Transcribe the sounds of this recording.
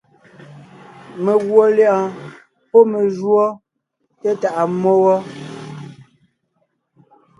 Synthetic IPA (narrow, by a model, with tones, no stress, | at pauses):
me˨ɣwo˨ljã˦˨ | pɔ˦me˨ʒwɔ˦ | te˦ta˨ʔa˨mo˦wɔ˦